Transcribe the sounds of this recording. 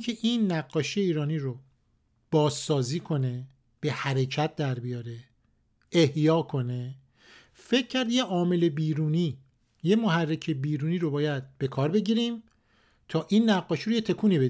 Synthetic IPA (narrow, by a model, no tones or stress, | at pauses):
kʰeʔiːnːæɡːɒːʃijeiːɾɒːniːɾo | b̥ɒːzːɒːziːkʰo̞ne̞ | b̥e̞hæɾe̞cʰæt̪̚d̪æɾbijɒːɾe̞ | ehjɒːkʰo̞ne̞ | fe̞cʰːæɾd̪jeʔɒːme̞le̞biːɾuːniː | jemoɦærːecʰebiːɾuːniːɾobɒːjæd̪̥̚b̥e̞kʰɒːɾbe̞ɟiːɾiːm | t̪ʰɒːʔiːnːæɡːɒːʃiɾojet̪ʰe̞kʰuːniːbe